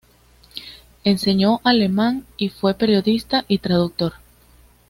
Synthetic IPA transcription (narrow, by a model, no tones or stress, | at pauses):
e̞nse̞ɲo̞ʔale̞mãŋifwe̞pe̞ɾjo̞ðist̪aʔit̪ɾaðuk̚t̪o̞ɾ